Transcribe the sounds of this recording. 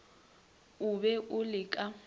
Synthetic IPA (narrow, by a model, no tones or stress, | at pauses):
ʊbɛʔʊlɪkʼa